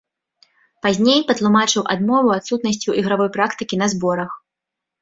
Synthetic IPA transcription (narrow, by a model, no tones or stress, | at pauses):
pazʲnʲejpɐt̪lˠumat͡ʂɨwʔa̰d̪mɔvuat̪sut̪nɐsʲt͡sʲuʔiɣɾavɔjpɾakt̪ɨkʲinɐzbɔɾɐx